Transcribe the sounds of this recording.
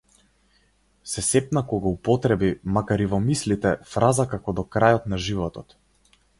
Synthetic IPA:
sɛsɛpnakɔɡaupɔt̪ɾɛbimakaɾivɔmislit̪ɛfɾazakakɔd̪ɔkɾajɔt̪naʒivɔt̪ɔt̪

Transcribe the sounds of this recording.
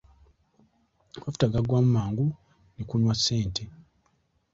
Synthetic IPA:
wavu̥taɡaɡwamumaːŋɡu | nekunwasːe̞ːntʰe

